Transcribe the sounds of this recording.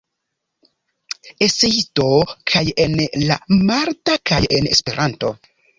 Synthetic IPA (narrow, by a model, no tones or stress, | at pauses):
eseito̞kʰaje̞nla̰maɾtakaje̞̰ne̞̰spe̞ɾʔanto̞̰